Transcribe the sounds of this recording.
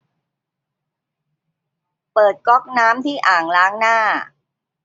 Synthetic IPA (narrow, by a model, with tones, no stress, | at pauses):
pɤː˨˩t̪̚kɔ˦˥˩k̚naː˦˥mt̪ʰiː˥˩ʔaː˨˩ŋlaː˦˥ŋnaː˥˩